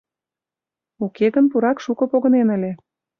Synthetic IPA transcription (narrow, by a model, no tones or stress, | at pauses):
ukeɣənpuɾɑkʃukɤ̆poɣɤ̆nenəlʲe